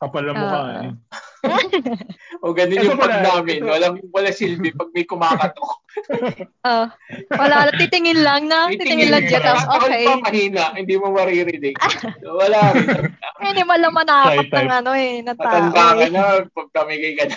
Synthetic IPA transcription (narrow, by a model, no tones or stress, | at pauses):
kɐpɐlːɐɐɐ̰ | ʔoɡɐnɪɲopɐɡ̚naːmɪnwɐlaŋwɐlasilbɪpɐɡ̚mɐjkʊmaːkɐt̪o | ʔowɐlaɐt̪it̪ɪŋɪnlɐŋnɐɪŋɪnlɐŋd͡ʒɐɐʔpɐlpɐmɐhiːnɐʔhɪnd̪iːmomɐɾiːɾɪd̪ɪɡsowɐlaɪɐd̪aminɪmɐlɐmɐnɐakt̪ɐŋɐnoɛnɐtɐat̪ɐnd̪akɐnɐpɐɡ̚t̪ɐmɪkɐjkɐn